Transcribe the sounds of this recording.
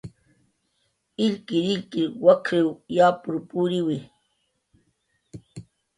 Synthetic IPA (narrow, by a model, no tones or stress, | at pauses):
ɪlkɪɾɪlkɪwakʰɾewjaːpʊɾpuɾɪwɪ